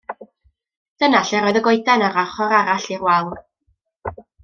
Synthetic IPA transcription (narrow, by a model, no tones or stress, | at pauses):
d̥ənaɬɛɾɔjðəɡojdanaɾaχɔɾaɾaɬirwaw